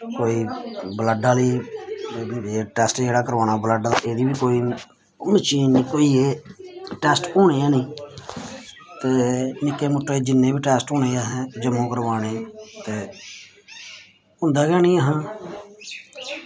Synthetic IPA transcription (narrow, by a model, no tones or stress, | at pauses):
koːiːbləɖaːliː | eːʈɛːsʈd͡ʒeːɽaːkəɾʋaːnaːbləɖaːlʔeːd̪iːbiːkoːiː | mɪt͡ʃiːniːkoːiːeːʈɛːsʈoːɳeːaːnĩː | t̪eːmɪkːeːmʊʈːoːeːd͡ʒɪnːẽːbiːʈɛːsʈõːɳeːaːɦɛ̃ːd͡ʒəmːõːkəɾʋaːneːt̪eː | ʊ̃nd̪aːɡɛːnĩːəɦãː